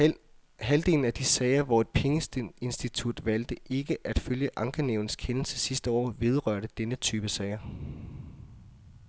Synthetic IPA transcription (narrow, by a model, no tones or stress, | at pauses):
ɦæld̥e̝ln̩æd̥isɛɪɐʋɒe̝d̥̚pʰeŋəsd̥e̝nsd̥it͡sʰud̥ʋæl̰d̥əʔe̝ɡ̥əʔæd̥føljəʔɑ̈ŋɡ̥əneʊn̩skʰenl̩səsisd̥əɒ̰ːʋe̝ð̞ˠʁɶɐ̰ɾ̥əd̥enət͡sʰyːb̥əsɛɪɐ